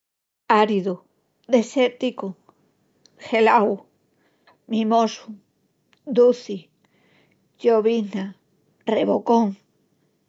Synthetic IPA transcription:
aɾiðo | d̪eset̪iko | xelaw | mĩmosu | d̪uθi | joβina | reβokoŋ

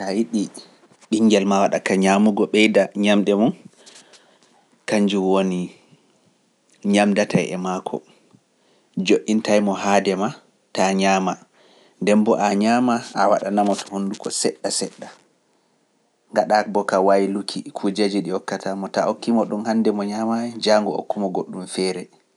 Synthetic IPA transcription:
tajiɗi | ɓiŋɡɛlmawaɗakaɲamuɡɔɓɛjdaɲamɗɛmɔn | kaɲd͡ʒuwoni | ɲamdatajɛ̰makʰɔ̰ | d͡ʒoʔːintajmɔhadɛma | taɲaːma | ndɛmbɔʔaɲaːmaawaɗanamɔtʰɔ̥hondukʰɔ̰sɛɗːasɛɗːa | ŋɡaɗakbɔkawajlukʰikʰud͡ʒad͡ʒiɗiɔkːatʰamɔtaʔokːimɔɗumhandɛmɔɲamaɛd͡ʒaŋɡɔo̰kːumɔɡoɗːumfɛɾɛ

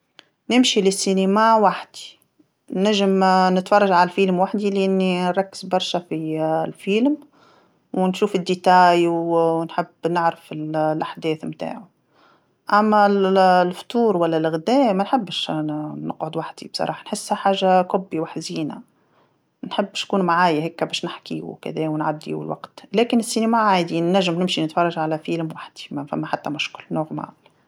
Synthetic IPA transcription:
nɪmʃilɪsːinamawaħd̪̥i̥ | naʒɪmnɪt̪fɑrˤːɑʒʕalælfiːlmwaħd̪ilʔɪnːinɾˤɑkːɪ̥zbɑɾˤʃafilfiːlm | wɪnʃuːfɪd̪ːit̪aːjwnħɪbːnɪʕɾɪfɪllʔaħd̪ɛːθmt̪a̰ːʕu | ʔæmːællft̪uːɾwælːælɣd̪ɛːmænħɪbːʃnəqʕʊd̪waħd̪ḭbsˤɑ̰ɾˤɑ̰ːħɑnħɪsːhæħaːʒakʊbːiwaħziːna̰ | nħɪbːʃkuːnmaʕaːjahɛːkːæbɛːʃnɪħkḭkæ̰ðɛːwnʕad̪ːḭwɪ̰lwa̰qt̪lɛːkɪnɪsːinæmaʕaːjd̪inːæʒːɪmnɪmʃinɪt̪fɑrˤːɑʒʕalæfiːlmwaħd̪̥i̥mfæmːæħat̪ːæmʊʃkʊlnʊɣma̰

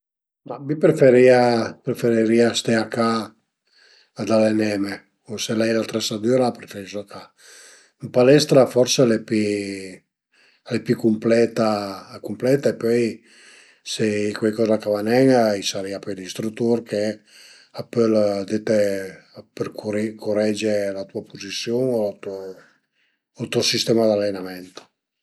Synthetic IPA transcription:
mabipɾefeɾiːapɾefeɾiɾiːast̪eaka | d̪alenɛme | oselɛjlat̪ɾɛsad̪yɾapɾefeɾisoaka | mpalɛst̪ɾafɔrsealɛpi | alepjukumplɛt̪akumplɛt̪aepɔj | seikwejkɔːzakavanɛŋisaɾɛapɔjlist̪ɾut̪ːurke | apːøld̪et̪e | perkuɾkʰorɛd͡ʒelat̪uapozisːjoːnolat̪uo | t̪uosist̪ɛːmad̪alːenamɛnt̪o̥

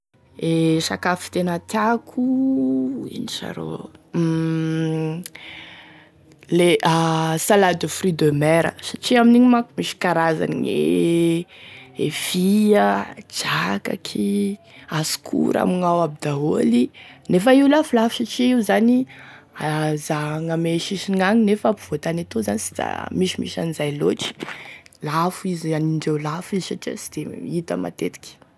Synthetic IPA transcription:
eʃakafi̥t̪enat̪jakʰu | ḭniʃa̰ɾo̰ | leʔasalad̪ufrid̪ømɛɾə̰saʈ͡ʂiaminiɲimakumiʃi̥kaɾaza̰nḭɲḛ | ev̥iəd͡ʒaka̰kʰi | asu̥kʰṵɾa̰miŋawabid̪aɦolinefəiulafulafu̥saʈ͡ʂiiuzani | azaŋameʃiʃiŋaŋinefapuv̥ot̪anat̪ozanisi̥d̪a̰miʃimḭʃanizajloʈ͡ʂi̥lafizaniɳɖ͡ʐewlafizsaʈ͡ʂia̰t͡sid̪̥eit̪əma̰t̪et̪i̥kʲi̥

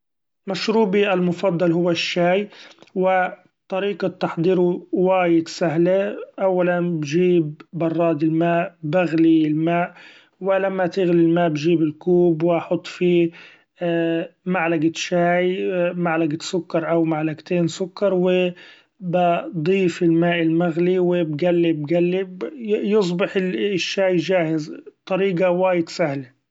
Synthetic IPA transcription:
maʃɾuːbiʔalmʊfɑd̪ˤːɑlɦʊwːaʃːaːjwɪ | t̪ˤːɑɾiːqɑt̪ːɑħd̪ˤiːɾuwaːjɪd̪saɦleʔawːalanbʒiːbːɑrˤːɑːd̪ɪlmaːʔbaɣlilmaːʔ | wɪlamːat̪ɪɣlilmaːʔbd͡ʒiːbɪlkuːbwʔɑħʊt̪ˤːfiː | maʕlaɡaʃaːjmaʕlaɡasʊkːɑɾˤʔawmaʕlaɡt̪eːnsʊkːɑɾˤwɪ | bɪd̪ˤiːfɪlmaːʔɪlmaɣliwɪbɡalːɪbɡalːijɨs̬ˤbɪħɪʃːaːjʒaːhɪzt̪ˤɑɾiːɡawaːjɪd̪sahla

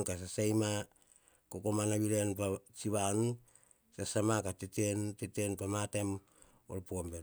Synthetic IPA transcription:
nkas̬asajma | kokomanaβiɾenpat͡ʃiβan | sasamakatetentetenpamatem | olpoombe

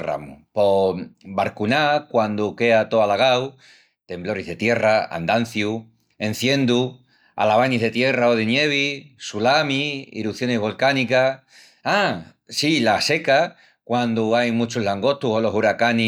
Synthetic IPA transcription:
ra̰mṵpo̞baɾkunakwand̪uke̞at̪o̞alaɣaw | t̪e̞mblo̞ɾizðe̞t̪je̞raa̰nd̪an̟θju | e̞n̟θjẽ̞nd̪u | a̰laβ̞aniɦðe̞t̪je̞raoð̞enje̞β̞isulamiḭɾuθjo̞neɦβo̞lkanika | a | silase̞ka | kwand̪uajmut͡ʃuɦlaŋɡo̞t̪uɦo̞lo̞ɦuɾakani

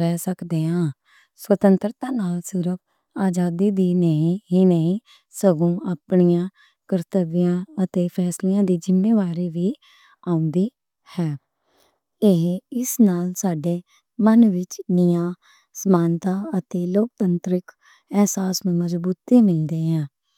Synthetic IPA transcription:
ɾɛːsəkd̪eːãː | swət̪ənt̪ɾət̪aːnaːlsɪɾəb | aːd͡ʒaːd̪iːd̪iːnəĩɦiːnəĩː | səɡõːaːpɳijãː | kəɾt̪əʋɪjãːət̪eːpʰɛːslijãːd̪iːd͡ʒɪmːeːʋaːɾiːʋiː | aːʊ̃nd̪iː | hɛː | eɦɪsnaːlsaːɖeː | mənʋɪt͡ʃnɪjãː | səmaːnt̪aːət̪eːloːk̚t̪ənt̪ɾɪk | ɛɦsaːsnũːməzbuːt̪iːmɪld̪eːãː

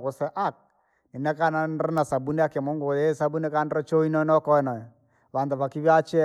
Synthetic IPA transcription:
kʊsɛʔak̚ | ninakananranasabunɛakemɔŋɡoðesabunekanrɔt͡ʃoinɔnɔkɔɛnɔ | βandaβakiβiat͡ʃɛ

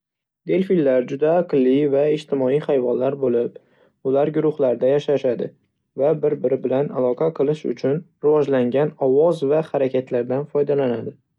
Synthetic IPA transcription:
d̪e̞lfilːaɾd͡ʒʊd̪aːqlːɪvaɪd͡ʒt̪ʰɪmɒijχajvɒnlaɾbolɪp | ʊlaɾɡʊɾʊχlaɾd̪ajaʃaʃad̪ɪ | vabɪɾbɪɾɪbɪlanalˠɒqʰɑqʰɨlˠɪʃʊ̰t͡ʃʰʊnɾɪvɒd͡ʒlaŋɡʲanɒwɒzvahaɾakʲʰat̪ʰlaɾd̪anfɒjd̪alanad̪ɪ

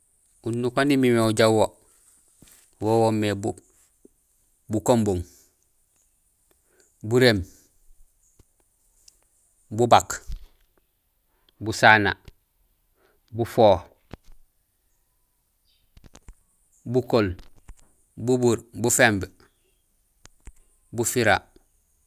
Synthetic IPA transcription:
unːukonimimeuɟawwo | wowomːebu | bukomboŋ | buɾem | bubak | busaːna̰ | bufoː | bukol | bubuɾbufemb | bufiɾa

